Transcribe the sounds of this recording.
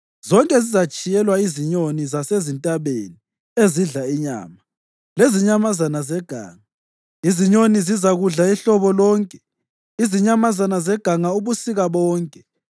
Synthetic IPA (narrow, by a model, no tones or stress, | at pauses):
zɔŋkʼɛzizat͡ʃʼijɛlwaiziɲonizasezintʼaβḛni | eziɮaiɲa̰ːma | leziɲamazanazɛɡ̥ʱa̰ːŋa | iziɲonizizaɣuɮaiɬɔβɔlɔːŋkʼɛ̥ | iziɲamazanazɛɡ̥ʱaŋauβusiɣaβɔːŋkʼɛ̥